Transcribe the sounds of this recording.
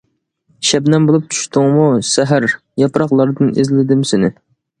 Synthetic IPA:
ʃɛbnɛmbolˠup̚t͡ʃʰu̥ʃt̪ʰʊŋmusɛɦæɾ | jɑpɾɑqlˠɑɾd̪ɨnɪ̰zlɪd̪ɪmsɪnɪ

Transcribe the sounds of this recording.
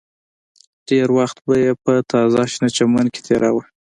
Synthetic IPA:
ʈeɾwaxt̪bajepət̪ɑzɑʃnat͡ʃamanke̥t̪ʰeɾʔa̰wə

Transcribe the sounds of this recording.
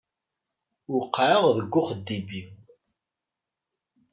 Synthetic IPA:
wqːaʕəʁðəɡʷːʊχəd̪ːibiw

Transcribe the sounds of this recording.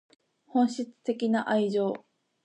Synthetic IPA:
hõ̞ɰ̃ɕit͡sɨ̥t̪e̞kʲinaʔaiʑo̞ː

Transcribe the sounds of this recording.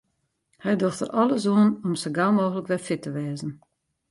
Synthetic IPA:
hɛjdoxtə̰rʔɔləs̬uənɔmsəɡalˠmoːɣələkʋɛfɪtəʋɛːzən̩

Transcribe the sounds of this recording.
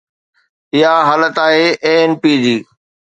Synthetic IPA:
ɪɦaɦaːlət̪aːɦeːʔeːenpiːd͡ʑiː

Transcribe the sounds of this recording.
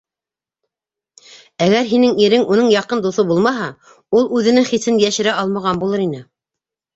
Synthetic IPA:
æɡæɾɦinɘŋiɾɘŋunɤɴjɑqɤnd̪uθɤbulˠmɑɦɑ | ulˠʉðɘ̆nɘŋχisɘnjæʃɘ̆ɾæɑlˠmɑʁɑnbulˠɤɾinɘ

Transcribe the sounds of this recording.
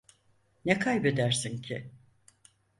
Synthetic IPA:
nɛkʰajbed̪æɾsincʰɪ

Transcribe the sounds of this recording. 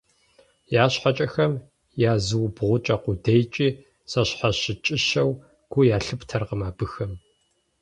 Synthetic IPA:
jaːɕħat͡ʃʼɐxɐm | jaːzɨwbʁʷʊt͡ʃʼɐqʷʊdejt͡ʃʼiː | sɐɕħaɕɪt͡ʃʼɪɕɐw | ɡ̥ʷʊjaːɬɨptʰɐrqəmaːbɨxɐm

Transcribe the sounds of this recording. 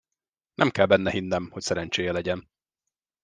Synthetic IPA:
nʔɛmkɛlbɛnːɛɦinːɛmho̞csɛɾɛnt͡ʃeːjɛlɛɟɛn

